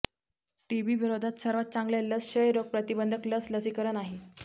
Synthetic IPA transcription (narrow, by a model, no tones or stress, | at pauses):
ʈiʋiʋiɾod̪ʱat̪səɾʋat̪̚t͡sãŋɡlaləsɕəjɾoɡ̚pɾət̪ibənd̪ʱəkləsləsikəɾənaɦi